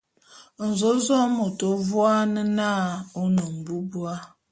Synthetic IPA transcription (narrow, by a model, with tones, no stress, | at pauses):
n̩˨zo˦zɔ˦mo˨to˨vwa˦nə˦na˦˨o˦nu˨m̩˨bu˦bu˦a˦